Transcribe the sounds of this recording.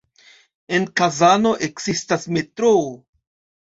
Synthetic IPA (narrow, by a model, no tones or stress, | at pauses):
e̞nkazano̞ʔe̞ksistasme̞tɾoo